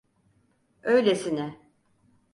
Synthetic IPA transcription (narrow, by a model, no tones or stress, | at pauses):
øjlʲesinɪ